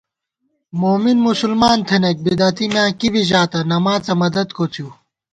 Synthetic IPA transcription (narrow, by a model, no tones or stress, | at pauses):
moːminmusulmaːnt̪ʰenek̚bid̪ɐt̪imjãːkibiʑaːt̪ɐnɐmaːt͡sɐmɐd̪ɐd̪kʰot͡s̪ʰjuː